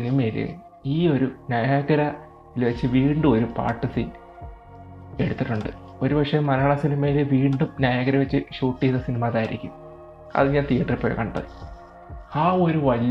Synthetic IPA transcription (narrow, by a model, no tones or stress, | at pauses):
inimɐjilɨ̰ | iːo̞ɾunɐjaːɣɐɾɐ | ilʋɐt͡ɕːɨʋiːɳɖumo̞ɾupa̰ːʈːɨsin | e̞̰ɽut̪ːiʈːuɳɖɨ | o̞ɾupɐkʂejmːɐɾɐɳɐsinimɐjilɨʋiːɳɖumnjɐjaːɣɐɾɐʋet͡ɕːɨɕuːʈːijɐnːɐsinimaðaːjiɾḭkʲːṵm | ɐ̰ðɨɲaːnt̪ijɐʈɐripːoːjɐ̰kɐɳɖɐ̰ð | aːo̞ɾuʋɐli